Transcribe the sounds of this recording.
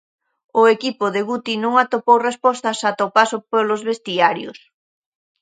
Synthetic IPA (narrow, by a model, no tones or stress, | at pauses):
ʊekipʊðɪɣut̪inũŋat̪opowrespɔst̪ɐsat̪opasopolozβest̪iaɾjʊ̰s